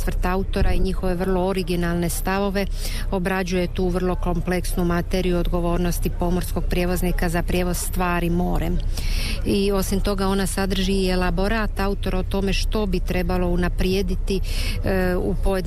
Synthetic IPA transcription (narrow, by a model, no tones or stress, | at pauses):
ʋr̩t̪aut̪o̞ɾaiɲixo̞ʋe̞ʋr̩lˠo̞oɾiɡinalˠne̞st̪aʋo̞ʋe̞ | o̞bɾad͡ʑuje̞t̪uːʋrlˠo̞ko̞mple̞ksnumat̪eɾijuod̪ɡo̞ʋo̞ːɾno̞st̪ipo̞mo̞ɾsko̞ɡ̥̚pɾje̞ːʋo̞znikazapɾje̞ʋo̞zst̪ʋaːɾimo̞ːɾem | io̞simt̪o̞ɡao̞nasad̪r̩ʒiːelabo̞ɾaːt̪aut̪o̞ɾot̪o̞me̞ʃt̪o̞bit̪ɾe̞balo̞unapɾjed̪it̪i | upo̞jed̪